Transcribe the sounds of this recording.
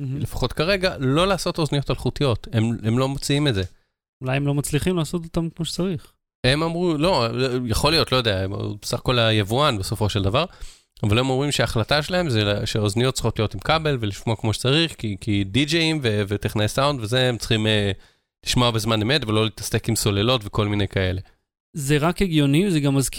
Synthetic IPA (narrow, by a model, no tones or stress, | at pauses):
le̞fḁχo̞tkaʁe̞ɡalo̞laːso̞to̞znijo̞talχutijo̞te̞memlo̞mot͡siimetze̞ | ulajemlo̞mat͡sliχimlaːsot̪̬ot̪amkmoʃe̥t͡saʁiχ | e̞mamʁulo̞jaχo̞lijo̞tlo̞jod̪eaem̰besaχkolajevuanbe̞so̞fo̞ʃe̞ldavaʁ | avalemo̞mʁimʃeaːχlataʃelaɦe̞mzeʃeoznijo̞t̪̚t͡si̥χo̞tlijo̞timkabe̞lveliʃmoakmo̞ʃe̥t͡saʁiχkikidid͡ʒeimvevetiχnajesawndvezeemt͡sχime | liʃmoabe̞zmanemetvelo̞litḁse̞kimso̞le̞lo̞tveko̞lminejkae̞le̞ | zeʁakeɡjo̞nivzeɡamːazk